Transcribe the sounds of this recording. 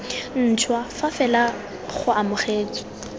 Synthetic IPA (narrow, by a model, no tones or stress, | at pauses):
n̩t͡ʃʰwafafɛla | χʊʔamʊχeːt͡sɔ̥